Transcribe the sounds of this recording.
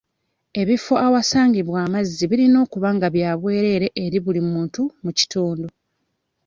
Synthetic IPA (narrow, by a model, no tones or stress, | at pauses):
e̞βifo̞ʔawasaːɲɟiβwaːmazːiβiɾino̞ːkuβaŋɡaβjaːβwe̞ːɾe̞ːɾe̞ʔeɾiβulimuːntumuci̥tuːndo